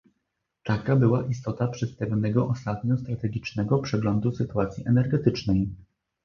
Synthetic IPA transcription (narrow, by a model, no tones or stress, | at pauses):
t̪akabɘwaʔist̪ɔt̪apʂɛspɛvnɛɡɔʔɔst̪at̪̚ɲɔst̪ɾat̪ɛɡʲit͡ʂnɛɡɔpʂɛɡlɔnd̪usɘt̪uat̪sʲjiʔɛnɛɾɡɛt̪ɘt͡ʂnɛj